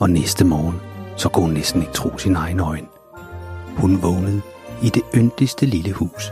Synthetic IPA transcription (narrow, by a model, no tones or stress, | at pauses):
ɒ̽nesd̥əmɒːnsɒ̽kʰuhunːesd̥n̩e̝ɡ̥̚t͡sʰʁo̝̰ːsinɑ̈ɪn̩ɒ̽ɪn | hunʋɔʊnəð̩ˠ | id̥e̝ønd̥isd̥əliləhṵːs